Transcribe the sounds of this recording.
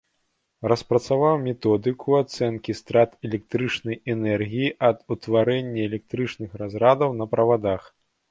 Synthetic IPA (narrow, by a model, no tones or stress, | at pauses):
rɐspɾɐt̪savawmʲɛt̪ɔd̪ɨkʰuat̪sɛnkʲist̪ɾat̪ɛlʲɛk̚t̪ɾɨt͡ʂnɐjɛnɛrɣʲijiʔɐd̪ut̪vaɾɛnʲːɐɛlʲɛk̚t̪ɾɨt͡ʂnɨxɾazɾad̪ɐwnɐpɾɐvad̪ax